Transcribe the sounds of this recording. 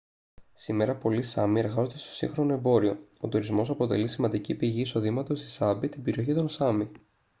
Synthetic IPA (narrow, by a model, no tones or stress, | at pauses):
sime̞ɾɐpo̞lisɐ̰mie̞ɾɣɐzo̞t̪e̞st̪o̞̥sḭŋxɾo̞noe̞mbo̞ɾio̞ot̪uɾizmo̞sɐpo̞t̪e̞̰lisimɐnd̪icipiʝiːso̞ðimɐt̪o̞st̪i̥sɐbit̪ibe̞ɾio̞çit̪o̞nsɐmi